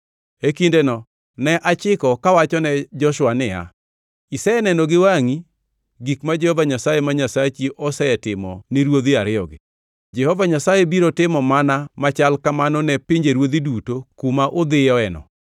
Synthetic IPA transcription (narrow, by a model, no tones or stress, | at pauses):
ekindenɔ | nɛʔat͡ʃɪkɔkawat͡ʃɔnɛd͡ʒɔʃʊwanɪja̰ | isɛɛnɛnɔɡɪwaŋi | ɡikmad͡ʒɛhɔvaɲasajemaɲasat͡ʃiʔɔsɛɛtɪmɔ̰nɪɾwod̪iaɾɪɔ̰ɡɪ̰ | d͡ʒɛhɔvaɲasajebiɾotɪmɔmanamat͡ʃalkamanɔnɛpɪɲd͡ʒeɾwod̪idutokumaʔod̪ɪjɔɛnɔ̰